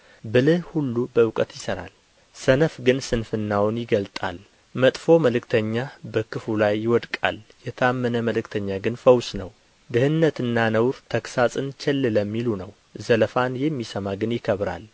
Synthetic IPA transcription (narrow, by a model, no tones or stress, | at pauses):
bɨlɨhhulːubəkʼət̪jɪsəɾa̰l | sənəfɡɨnsɨnfɨnːawnjɪɡəlt̪ʼa̰l | mət̪ʼfo̞məlɨkt̪ʰəɲːabəkʰɨfulajːɪwɔd̪kʼa̰ljɛt̪ʰəamːənəməlɨkt̪ʰəɲːaɡɨnfəwsnəw | d̪ɨhɨnːət̪ɨnːanəwɾt̪ʰəksasʼɨnt͡ʃʰɛlːɨləmːilunəw | zələfanjɛmːisəmaɡɨnjɪkʰəβɾa̰l